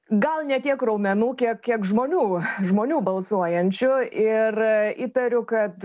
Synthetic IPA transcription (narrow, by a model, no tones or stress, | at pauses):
ɡɐlˠnʲɛt̪ʲiɛkrɐʊmʲɛnuːkʲiɛkkʲiɛkʒmoːnʲuːʒmoːnʲuːbɐlˠsuɔjɛnʲt͡ʃʲʊɪriːt̪ɐɾʲʊkɐt̪